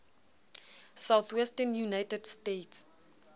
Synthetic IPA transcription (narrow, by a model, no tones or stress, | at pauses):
sawθʰwɛstɛnjunajtʰɛdstetʰs